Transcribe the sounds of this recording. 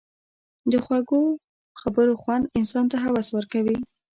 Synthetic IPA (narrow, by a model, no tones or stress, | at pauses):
d̪əxwaɡo | xabəɾoxwand̪ɪnsɑnt̪aɦawaswəɾkawi